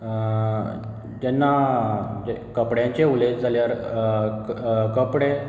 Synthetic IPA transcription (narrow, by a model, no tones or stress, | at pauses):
d͡ʑɛnːad͡ʑkəpɽjãɲt͡ɕeuled͡ʑd͡zʱaljaɾ | kəpɽe